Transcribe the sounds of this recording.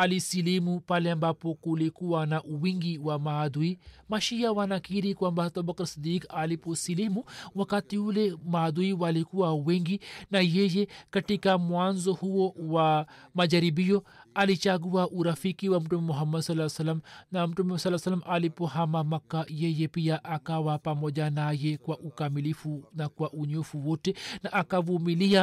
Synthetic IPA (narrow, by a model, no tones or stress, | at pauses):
ɐlisilimupaljɐmbapokulekuwanaʔuwiŋɡiwamaːd̪uimɐʃijaʋaːnakiɾikuwambat̪obɐkɐɾsid̪iːkaːliposileːmuwɐkat̪iulemaːd̪uiwalikuwauweŋɡinajejekɐʈːikamuaːnzohuwowamɐd͡ʒɐɾibijoɐlit͡ʃaɡuaʔuɾɐfikiwamʈumemuɦɐmːɐd̪sɐlasɐlɐmnamʈumesɐlːaːsɐlːɐmʔalipoɦamamɐkːajejepijaʔakawapamod͡ʒanajekwaʔukamilifunakwaʔuɲofuwotenaʔːkaʋumilija